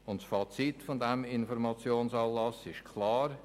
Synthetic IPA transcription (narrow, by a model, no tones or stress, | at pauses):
ʊntsfɑt͡sitfɔndɛmɪnfɔɾmɑt͡sjoːnsɑːnlɑsɪʃkʰlɑːɾ